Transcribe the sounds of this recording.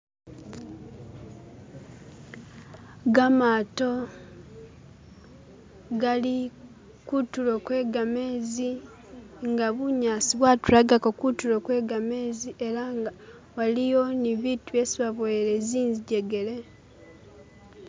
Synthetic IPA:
ɡamaːto̞ | ɡali | kutulokwe̞ːɡame̞ːzi | ŋɡaβuɲaːsiβwatuɾaɡakokutulokwe̞ːɡame̞ːziʔe̞ɾaŋɡa | walijo̞niβiːtuesiβaβweɾeziːnziɟe̞ɡe̞le̞

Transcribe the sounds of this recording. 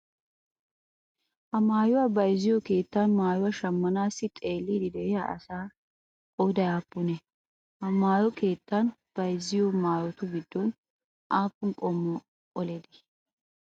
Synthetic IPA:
hɐmaːjʊwaːbɐjzːɪjɔke̞ːt̪ːanmaːjʊwaʃɐmːɐnaːsːɪt̪ʼe̞ːlːiːd̪ɪd̪ɛʔɪjaʔɐ̰saː | kʼɔwd̪ɐjaːpːʊnɛ | hɐmaːjɔke̞ːt̪ːɐn | b̥ɐjzɪjomaːjɔt̪ʊɡɪd̪ːɔn | ʔaːpːʊnkʼɔmːɔ | ɔled̪ɪ̥

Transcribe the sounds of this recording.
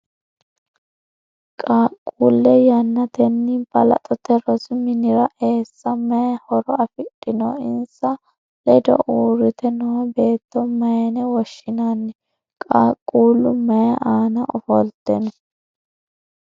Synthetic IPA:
kʼaːkʼːuːlːɛjɐnːɐd̪ɛnːɪbɐlɐ̰t̪ʼɔt̪ɛɾɔsɪmɪnɪɾɐʔe̞ːsːɐmɐjɐhɔɾɔɐfɪɗʼːɪnɔ̰ɪnsɐ | lɛd̪ɔ̰ʔuːɾɪt̪ɛnɔɔbe̞ːt̪ːɔmɐjɐnɛwɔʃɪnanːɛ | kʼaːkʼːuːlːʊmɐjɐʔaːnɐʔɔfɔlt̪ːɛnɔ

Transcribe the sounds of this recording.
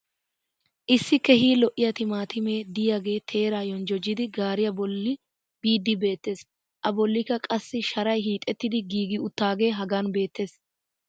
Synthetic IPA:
ʔɪsːɪkɛhiːlɔʔːɪjɐt̪ɪmaːt̪ɪme̞ːd̪ɪjaɡe̞ːt̪ʰe̞ːɾaːjɔnd͡ʒɔd͡ʒːɪd̪ɪɡaːɾɪjɐbɔlːɪ | b̥iːd̪ːɪbe̞ːt̪ːe̞ːs | ʔɐbɔlːɪkːɐkʼɐsːɪʃɐɾɐjɦiːt̪ʼːɛt̪ːɪd̪ɪɡiːɡɪʊt̪ːaːɡe̞ːɦɐɡaːnbe̞ːt̪ːe̞ːs

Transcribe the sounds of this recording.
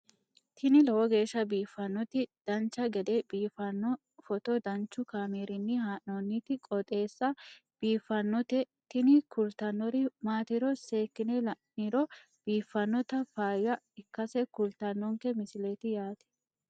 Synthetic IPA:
t̪ʰɪnɪlɛwɔɡe̞ːʃːɐbiːfːɐnːɔt̪ɪd̪̥ɐnt͡ʃːɐɡɛd̪ɛbiːfɐnːɔ | fɔt̪ɔd̪ɐnt͡ʃːʊkaːmeːɾɪnːɪhaːʔnonːit̪ɪkʼɔt̪ʼe̞ːsːɐ | b̥iːfːɐnːɔt̪ɛ | t̪ɪnɪkʊlt̪ɐnːɔɾɪmaːt̪ɪɾɔseːkːɪnɛlɐʔiɾɔ | b̥iːfːɐnːɔt̪ɐfaːjɐ | ɪkːɐsɛkʊlt̪ɐnːɔŋkɛmɪsɪleːt̪ɪjaːt̪ɛ̥

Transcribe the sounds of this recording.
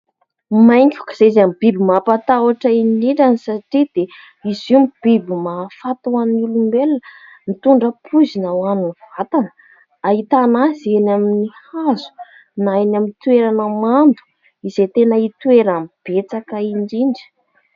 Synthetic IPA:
majŋkʲu̥kə̥z̥eizamb̥ibimapat̪awaʈ͡ʂəinɳiɳɖ͡ʐanisaʈ͡ʂid̪̥e | iziumib̥ibimafat̪uannulumbelə | nit̪uɳɖ͡ʐəpʰuzinəwanuniv̥at̪anə̥ | ait̪anazenaminihazu̥ | najnamint̪ueɾanəmand̪u̥ | izet̪enəit̪ueɾamb̥et͡sakəiɳɖ͡ʐiɳɖ͡ʐi̥

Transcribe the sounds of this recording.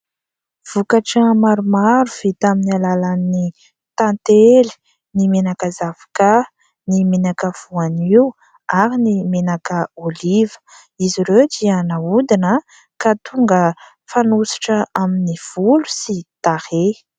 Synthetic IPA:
v̥ukaʈ͡ʂəmaɾumaɾuv̥it̪aminalalani | t̪ãnt̪eli̥ | nimenakəzav̥ḁka | nimenakəv̥uaniu | aɾinimenakəolivə̥ | iziɾewd̪iənaud̪inə | kat̪uŋɡə | fanusi̥ʈ͡ʂəaminiv̥ulu̥sit̪ahe

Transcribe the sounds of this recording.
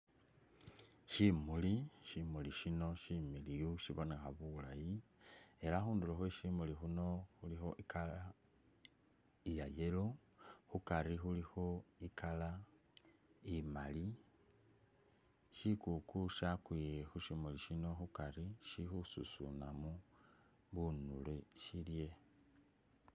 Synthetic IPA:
ʃimuliʃimuliʃino̞ʃimilijuʃiβone̞xaβulajie̞ɾaxuːnduɾoxweʃimulixuno̞xulixo̞ʔikʰala | ijaje̞ɾo | xukaɾixulixo̞ikala | imali | ʃikukuʃakwijexuʃimuliʃino̞xukaɾiʃixususṵnamu | βunuleʃilje̞

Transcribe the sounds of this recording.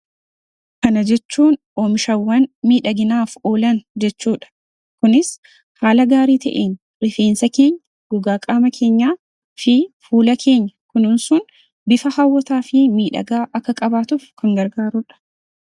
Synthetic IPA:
kɐnɐd͡ʒɛt͡ʃːuːnʔoːmɪʃɐwːɐnmiːᶑɐɡɪnaːfo̞ːlɐnd͡ʒɛt͡ʃːuːᶑɐ̥ | kʊnɪs | haːlɐɡaːɾiːt̪ɐ̰ʔḛːn | rɪfe̞ːnsɐke̞ːɲːɐ | ɡ̥ʊɡaːkʼaːmɐkʰe̞ːɲːaː | fɪfuːlɐkʰe̞ːɲːɐkʊnɪnsʊn | bɪfɐhɐwːɔt̪aːfɪmiːᶑɐ̰ɡaːʔɐkːɐkʼɐbaːt̪uːfkɐŋɡɐɾɡaːɾʊᶑɐ̥

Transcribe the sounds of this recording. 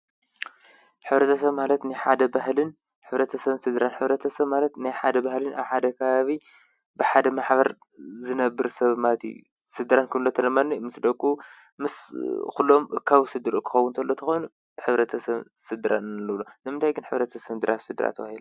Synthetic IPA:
ħɨβɾɐt̪ʰɐsɐβmalɐt̪nɨjħad̪ɐbahlɨn | ħɨβɾɐt̪ʰɐsɐβnsɨd̪ɨɾanħɨβɾɐt̪ʰɐsɐβmalɐt̪najħad̪ɐbahlɨna̰βħad̪ɐkʰɐβaβi | bɨħad̪ɐmaħbɐɾ | zɨnɐbːɨɾsɐβmat̪ʰḭ | sɨd̪ɨɾankʰɨβlot̪ʰɐnɐmanːimɨsd̪ɐkʼːu | mɨskulːomʔɨ̰kʰːawsɨd̪ɨɾukʰɨ̥xɐwːunt̪ʰɐlːo̞t̪ʰɐxojnu | ħɨβɾɐt̪ʰɐsɐβ | sɨd̪ɨɾa̰nɨnɨlːɨβlonɨmɨnt̪ʰajɡɨnħɨβɾɐt̪ʰɐsɨnd̪ɨɾʔa̰t̪sɨd̪ɨɾa̰t̪ʰɐβahilɐ

